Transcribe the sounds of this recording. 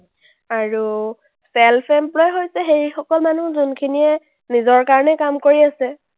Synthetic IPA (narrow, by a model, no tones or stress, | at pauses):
aɹu | sɛlpʰɛmplɔjɦojsɛɦeɹixɔkɔlmanuzunkʰinijɛ | nizɔɹkaɹɔnɛkamkoɹiasɛ